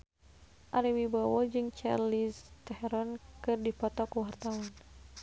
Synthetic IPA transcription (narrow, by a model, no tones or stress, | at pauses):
ʔaɾiwibawɔd͡ʒɨŋt͡ʃa̰rlist̪ɛhɛɾɔnkɨrdipɔt̪ɔkuwart̪awan